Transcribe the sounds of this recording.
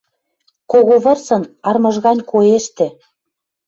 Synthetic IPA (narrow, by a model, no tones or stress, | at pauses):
koɣoβɤ̆rsɤ̆nɑrmɤ̆ʒɣɑnʲkoeʃt̪ĕ